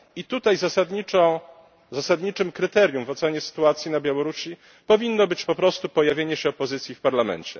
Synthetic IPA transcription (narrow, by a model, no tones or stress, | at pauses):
it̪ut̪ajzasad̪ɲiɔ̃ | zasad̪ɲit͡ʂɘmkɾɘt̪ɛɾjumvɔt̪sɛɲɛsɘ̥t̪uat̪sʲjinabʲjawɔɾuɕi | pɔvʲinːɔbɘt͡ɕpɔpɾɔst̪upɔjavʲjeɲɛɕɛɔpɔzɘt̪sʲjifpaɾlamɛ̰nt͡ɕɛ̰